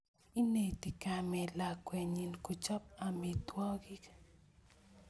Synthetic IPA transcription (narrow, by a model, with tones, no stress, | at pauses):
i˦ne˨t̪i˨kame˨lakweɲinkut͡ʃa˦p̚ami˨t̪wa˦ɡi˦k